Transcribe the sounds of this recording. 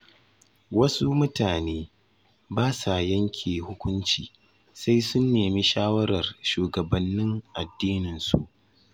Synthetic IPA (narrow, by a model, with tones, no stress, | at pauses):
wɐ˦su˦mʊ˦taː˨neː˦ | baː˦sa˨jɐ˦ŋkʲʰeː˨hʊ˦kʷʊ˦nt͡ʃiː˨ | sa˦jsʊ˦nːeː˨mi˦ʃaː˦wɐ˦ɾɐ˨rʃuː˨ɡɐ˨bɐ˦nːɪ˦ŋʔa˨dːiː˦nɪ˨nsṵ˨ʔ